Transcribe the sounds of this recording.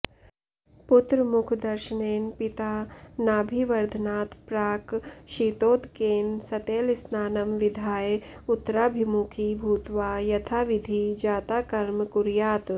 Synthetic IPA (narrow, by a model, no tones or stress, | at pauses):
pʊt̪ɾəmʊkʰd̪ɐɾʃəneːnpɪt̪aːnaːbʱiːʋɐɾd̪ʱnaːt̪ʰpɾaːkʃiːt̪oːd̪keːnsɐt̪eːlɪsnaːnɐmʋɪd̪ʱaːjʊt̪ːɾaːbʱimukʰibʱuːt̪ʋaːjɐt̪ʰaːʋɪd̪ʱid͡ʒaːt̪aːkɐɾmkuɾjaːt̪